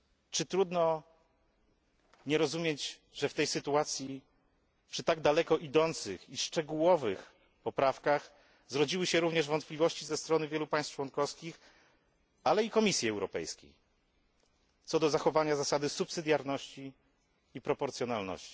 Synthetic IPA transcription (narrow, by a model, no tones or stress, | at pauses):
t͡ʂɘt̪ɾud̪nɔ | ɲɛɾɔzumʲjed͡ʑʐɛft̪ɛjsɘt̪uat̪sʲji | pʂɘt̪aɡd̪alɛkɔʔid̪ɔnt̪sɘ̰xiʂt͡ʂɛɡuwɔvɘx | pɔpɾafkax | zɾɔd͡ʑiwɘɕɛɾuvɲɛʐvɔnt̪̚plʲivɔɕt͡ɕizɛst̪ɾɔnɘvʲjɛlupaj̃st̪t͡ʂwɔnkɔfskʲix | alɛikɔmʲisʲjiɛwɾɔpɛ̰jskʲḛj | t̪sɔd̪ɔzaxɔvaɲazasad̪ɘsupsɘd̪ʲjaɾnɔɕt͡ɕiː | pɾɔpɔɾt̪sʲjɔnalnɔ̰ɕt͡ɕi̥